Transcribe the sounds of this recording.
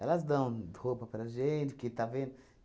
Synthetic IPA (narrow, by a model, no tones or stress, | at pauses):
ɛlɐzd̪ɐ̃w̃hopɐpɾɐʒẽt͡ʃ̪ɪkɪt̪avẽnd̪ʊ